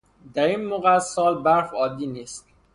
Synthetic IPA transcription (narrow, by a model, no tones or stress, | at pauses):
d̪æɾinmoɣæsɒːlbæɾfɒːd̪iːniːst̪